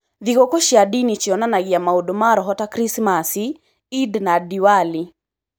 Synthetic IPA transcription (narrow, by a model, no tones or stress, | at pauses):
ðiɡɔkɔʃiadinit͡ʃiɔnanaɡɪamaudɔmaɾɔɦɔtakɾismasi | idnadiwali